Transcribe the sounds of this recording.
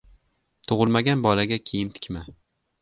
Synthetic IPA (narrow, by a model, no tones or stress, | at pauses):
t̪ʰʊʁɨlˠmaɡʲanbɒlaɡʲakʲʰejɪmt̪ʰɪ̥kʲma